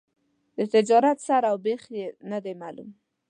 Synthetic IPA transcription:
d̪̥ət̪ɪd͡ʒɑɾat̪saɾawbexjenad̪emalṵm

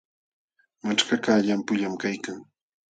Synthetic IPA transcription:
mat͡ʃkakaʎampʊʎamkajkaŋ

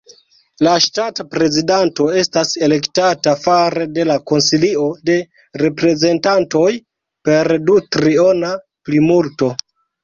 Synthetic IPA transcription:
laʃtatapɾe̞zidanto̞e̞stase̞le̞ktatafaɾede̞lako̞nsilio̞de̞ | ɾe̞pɾe̞ze̞ntanto̞j | pe̞ɾdutɾiona | plimulto̞

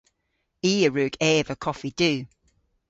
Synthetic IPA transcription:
iːəɹʉːɡɛːvəkʰɒfid̥ʉː

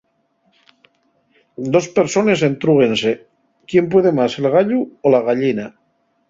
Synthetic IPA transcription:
d̪ospeɾsone̞s̬ent̪ɾuɣ̞ense | kjemp̬weð̞emase̞lɣ̞aʎuolaɣaʎina

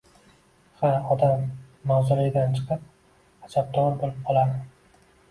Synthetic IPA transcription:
haɒd̪amːawzʊlɪɡʲɪd̪ant͡ʃʰɨ̥qɨp̚ | ad͡ʒab̚d̪ɒɾbolɪp̚qʰɒlˠaɾɪ

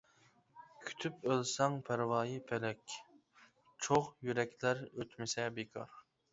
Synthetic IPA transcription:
kʲʰy̥t̪ʰypølsɑŋpʰæɾwɑːjipʰɛlɛkʲ | t͡ʃʰoʁjyɾɛkʲʰlæɾøt̪ʰmɪsɛbekʰɑ̰ɾ

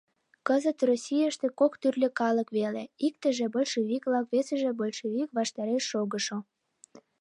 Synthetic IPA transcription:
kəzət̪rosʲijəʃt̪ekokt̪yrlʲøkɑləkβeleik̚t̪ə̆ʒĕbolʲʃeβikβlɑkβesəʒĕbolʲʃeβikβɑʃt̪ɑɾeʃːoɣəʃo

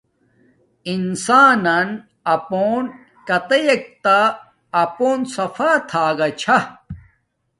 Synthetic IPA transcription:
insaːnan | ɐpoːn | kɐt̪ɐjek̚t̪aː | poːnsɐfaːt̪ʰaːɡɐt͡ɕʰa

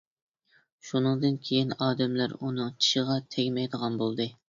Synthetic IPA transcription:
ʃunɨŋd̪ɨnkʲʰejinɑːd̪ɛmlæɾunɨŋt͡ʃʰi̥ʃəʁɑt̪ʰɛɡʲmɛjd̪əʁɑnbolˠd̪ɨ

